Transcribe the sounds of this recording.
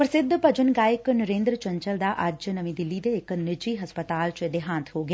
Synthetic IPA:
pɾəsɪd̪ʱːpəd͡ʒənɡaːjɪknəɾẽːnd̪ɾt͡ʃə̃ɲt͡ʃəld̪aːʔɐd͡ʒnəmĩːd̪ɪlːid̪eɪknɪd͡ʒiːɦəspət̪aːlt͡ʃəd̪ɪɦãːnt̪ʰɦoːɡeː

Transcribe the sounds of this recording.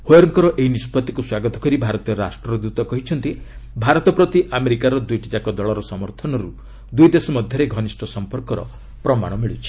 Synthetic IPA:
hojɔɾŋkɔɾɔʔeɦinispɔt̪ikuswaɡɔt̪ɔ̥kɔɾibʱaɾɔt̪iɔɾɾasʈɾɔɔd̪ut̪ɔkɔɦit͡ʃʰɔnt̪ibʱaɾɔt̪ɔpɾɔt̪iʔameɾikaɾɔd̪ujʈʰid͡ʒakɔd̪ɔɭɔɾɔsɔmɔɾt̪ʰɔnɔɾu | d̪ujd̪esɔmɔd̪ʱjɔɾeɡʱɔnisʈʰɔsɔmpɔɾkɔɾɔ̰ | pɾɔma̰ɽ̃ɔmiɭut͡ʃʰi̥

